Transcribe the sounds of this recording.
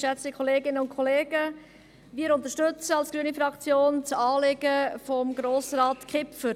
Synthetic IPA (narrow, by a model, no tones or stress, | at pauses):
ʃɛt͡sdikʰχɔleːɡɪnəʊnkʰoleːɡə | ʋɪːəɾʊnt̪əʃtʏt͡səɑlsɡ̥ɾyənifɾɑkt͡sjoːnt͡sɑːlɪɡ̥əfɔmɡɾoːsɾaːtkʰɪpfəɾ